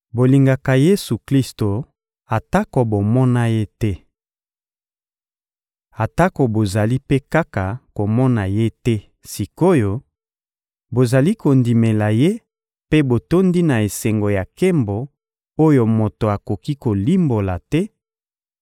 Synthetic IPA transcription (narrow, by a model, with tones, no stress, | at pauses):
bo˨li˨ŋɡa˨ka˨je˦su˨kli˦sto˨ | a˨ta˦ko˨bo˨mɔ˦na˦je˦tɛ˦ | a˨ta˦ko˨bo˨za˨li˦pe˦ka˦ka˨ko˨mɔ˦na˨je˦tɛ˦ | si˨ko˦jo˨ | bo˨za˨li˦ko˨ndi˨me˨la˨je˦ | pe˦bo˨to˦ndi˦na˨e˨se˨ŋɡo˨ja˨ke˦mbo˨ | o˦jo˨mo˨to˨a˨ko˨ki˦ko˨li˦mbo˨la˨tɛ˦